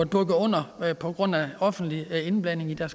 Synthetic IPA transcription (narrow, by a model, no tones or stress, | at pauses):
b̥ɔɡ̥ɐɔ̽n̰ɐpʰɒ̽ɡ̥ʁɔ̽n̰æɒ̽fn̩d̥lie̝nb̥lɛn̰e̝ŋid̥æɐs